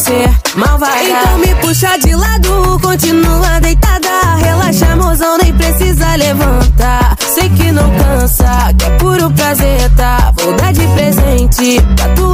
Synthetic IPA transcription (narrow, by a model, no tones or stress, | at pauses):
se | mawvajẽt̪ɐ̃w̃mɪpuʃaɾd͡ʒɪlad̪ʊkõnt͡ʃĩnuɐd̪ejt̪ad̪ɐɦelaʃɐ̃mozɐ̃w̃nẽj̃pɾesizɐlevɐ̃t̪a | sejkɪnɐ̃w̃kɐ̃sɐkɛpuɾʊpɾazet̪avowd̪aɾd͡ʒɪpɾezẽt͡ʃɪdat̪u